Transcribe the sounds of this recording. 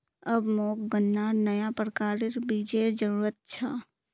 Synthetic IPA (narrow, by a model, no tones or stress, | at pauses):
əbmoːk̚ɡənːanəjapɾəkaːɾeɾbiːd͡ʒeɾd͡ʒəɾuːɾət̪̚t͡ʃʰaː